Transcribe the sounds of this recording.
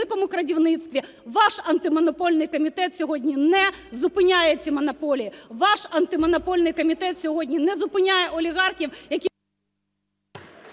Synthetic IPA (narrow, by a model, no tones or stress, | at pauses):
ɪkɔmʊkɾɐdʲiwnɪt̪st̪ʋʲi | ʋɑʃɐnt̪ɪmɔnɔpɔlʲnɪjkɔmʲit̪ɛt̪sʲɔɦɔdʲnʲinɛzʊpɪnʲajet͡sʲːimɔnɔpɔlʲijiʋɑʃɐnt̪ɪmɔnɔpɔlʲnɪjkɔmʲit̪ɛt̪sʲɔɦɔdʲnʲinɛzʊpɪnʲajɛʔɔlʲiɣɑrxʲiwjɐkʲi